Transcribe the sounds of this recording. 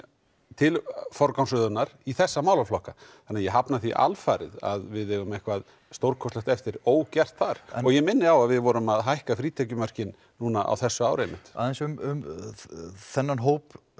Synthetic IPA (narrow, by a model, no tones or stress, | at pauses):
t̪ʰɪlfɔɾkawnsʏðʏnaɾ̥iθɛsːamaːwlaflɔhkaθanɛajɛɦapnaθiʔa̰lfaːɾɪ̰ða̰ðvɪðɛɣʏmɛhkvað | st̪owɾkʰɔst̪ɛxt̪ɛft̪ɪɾoːwcɛr̥t̪θaɾ̥ɔɣjɛɣmɪnːɪawaðvɪðvɔɾʏmaðɦajhkafɾiːt̪ʰɛcʏmœr̥cɪn | nuːnaʔa̰wθɛsːʏaːwɾʏɛmɪt̪a̰ðɛnsʏmʏm | θɛnːanɦowp